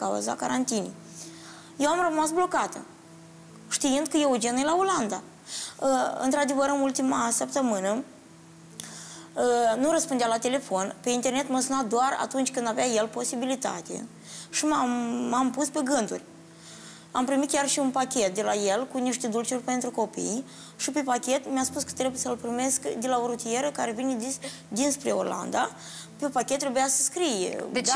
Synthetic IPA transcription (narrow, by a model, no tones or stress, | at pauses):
a̰ṵza̰ka̰ɾant̪inḭ | jewamrəmasblo̞kat̪ə̰ | ʃt̪iɨnd̪̚kəjeud͡ʒenujlaoland̪a | əɨ̰nt̪ɾad̪e̞vəɾɨnult̪imasəpt̪əmɨnə | ənuɾəspund̪ealat̪e̞le̞fo̞npe̞int̪e̞rne̞t̪məsunad̪oara̰t̪unt͡ʃʲkɨnd̪avʲajelpo̞sibilit̪a̰t̪ḛ | ʃimamːampuspe̞ɡɨnt̪ṵrʲ | a̰mpɾimit̪̚kʲarʃiunpakʲe̞t̪̚d̪e̞laje̞lkuniʃt̪ed̪ult͡ʃurʲpe̞nt̪ɾuko̞pḭj | ʃipe̞pakʲe̞t̪mjaspuskə̥t̪ɾe̞bujesəlpɾime̞skd̪e̞lao̞ɾut̪ije̞ɾəkaɾe̞vine | d̪inspɾe̞o̞̰rla̰nd̪a | pe̞pakʲet̪ːɾe̞bujasə̥skɾijḛ